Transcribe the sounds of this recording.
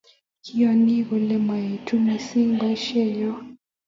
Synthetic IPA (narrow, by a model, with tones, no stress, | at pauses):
kʰi˦a˨ni˦ɣɔ˨lɛ˦ma˨e˨tʰu˦mi˨si˦ŋba˦ʃɛ˦jɔ˦